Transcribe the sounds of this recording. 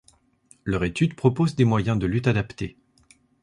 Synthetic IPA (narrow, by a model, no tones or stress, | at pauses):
lœʁet̪yd̪pχɔpozd̪emwajɛ̃d̪əlyt̪ad̪apt̪e